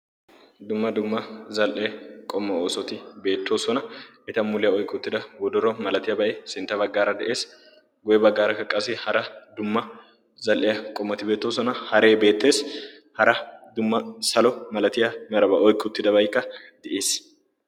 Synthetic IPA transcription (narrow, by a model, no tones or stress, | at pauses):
d̪ʊmːɐd̪ʊmːɐzɐlʔeːkʼɔmːɐoːsɔt̪ɪbe̞ːt̪ːo̞ːsɔnɐ | ɛt̪ɐmʊlɪjɐɔjkːɪʊt̪ːɪd̪ɐwɔd̪ɔɾɔmɐlɐt̪ɪjɐbɐʔesɪnt̪ːɐβɐɡːaːɾɐd̪ɛʔe̞ːs | ɡʊjɛbɐɡːaːɾɐkːɐkʼːɐsɪhɐɾɐd̪ʊmːɐ | zɐlʔɪjɐkʼɔmːɐt̪ɪbe̞ːt̪ːoːsɔnɐhɐɾe̞ːbe̞ːt̪ːe̞ːs | hɐɾɐd̪ʊmːɐsɐlɔmɐlɐt̪ɪjɐmɛɾɐbɐʔɔjkːɪʊt̪ːɪd̪ɐbɐjkːɐd̪̥ɛʔeːs